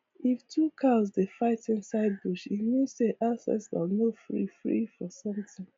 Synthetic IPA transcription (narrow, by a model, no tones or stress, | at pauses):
iftʰukʰazdefaɪtĩnsaɪd̚buʃitmuseʔasɛ̰sa̰nofɹḭfɹḭfɔsʌ̃mtɪ̃ŋ